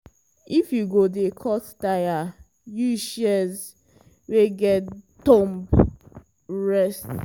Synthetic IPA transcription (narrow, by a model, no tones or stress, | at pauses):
ifjuɡodekʰɔttaja | juʃɛz | weɡɛttɔ̃mb | ɹɛst